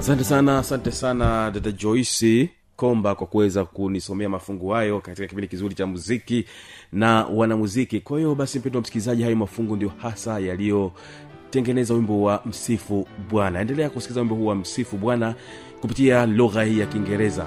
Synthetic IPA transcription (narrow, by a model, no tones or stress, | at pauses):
asantɛsanaːsantɛsanadatad͡ʒɔisi | kɔmbakwakuwɛzakunisɔmɛamafuŋɡuhajɔkatikakipindikizuɾit͡ʃamuzikinawanamuzikikwahiɔɓasim̩pɛndwam̩si̥kilizaʄihajɔmafuŋɡundijɔhasajalijɔ | tɛŋɡɛnɛzauwimbɔwam̩sifuɓwanaɛndɛlɛakumsi̥klizawimbɔhuːwam̩sifuɓwana | kupitialuɣahiːjakiŋɡɛɾɛza̰